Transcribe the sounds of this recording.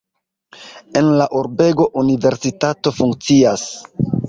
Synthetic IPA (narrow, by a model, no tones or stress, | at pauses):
enlaʔuɾbe̞ɡo̞ʔunive̞ɾsitato̞fuŋk̚t͡sias